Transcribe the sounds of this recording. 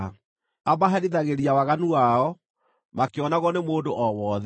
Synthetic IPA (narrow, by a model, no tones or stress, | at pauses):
ambaɦaɾiðaɣeɾiawaɣanuaɔ | makeɔnaɣɔnemoːdoʔɔwɔːð